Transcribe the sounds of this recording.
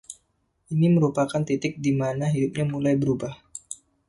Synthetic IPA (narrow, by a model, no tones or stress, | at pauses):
ʔiniməɾupakant̪it̪ɪk̚dimanaɦidup̚ɲamulajbəɾubah